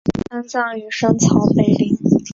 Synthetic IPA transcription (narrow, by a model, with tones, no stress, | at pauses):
a˥nt͡sɑ˥˩ŋy˧˩ʂə˥ŋt͡sʰɑ˧˥ʊpe˥˧ɪli˥˩